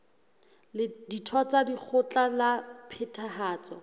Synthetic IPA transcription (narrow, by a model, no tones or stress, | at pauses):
lɪditʰɔt͡sadik͡xʰʊt͡ɬalapʰɪtʰahaːt͡sɔ̰